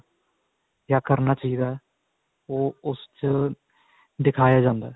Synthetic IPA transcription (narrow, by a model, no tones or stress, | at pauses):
kaːkəɾnaːt͡ʃaːɦiːd̪aː | oːʊst͡ʃ | d̪ɪkʰaːjaːd͡ʒãːnd̪aː